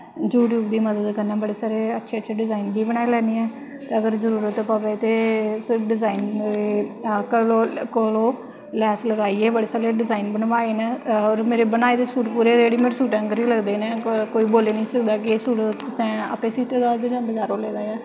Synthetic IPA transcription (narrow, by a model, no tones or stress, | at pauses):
d͡ʒuːʈ̬juːbd̪iːməd̪əd̪kənːãːbəɽeːsaːɾeːətːʃʰeːətːʃʰeːɖɪzaːinbiːbəɳaːelɛːniːɛː | t̪eːəɡəɾzəɾuːɾət̪əpaʋeːt̪eːsɖɪzaːiːnekəloːkəloː | lɛːsləɡaːiːeːbəɽeːsaːleːɖɪzaːinbəɳʋaːeːnɛːɔːɾmeːɾeːbənaːeːd̪eːsuːʈpuːɾeːeːɽiːmeːɾsuːʈãŋɡəɾiːləɡd̪eːnɛːkoːiːboːleːnəĩːsəkd̪aːkɪeːsuːʈt̪ʊsɛ̃ːə̰pẽːsiːt̪eːd̪aːd̪eːd͡ʒãːnd̪ed͡ʒaːɾoːleːd̪aːaː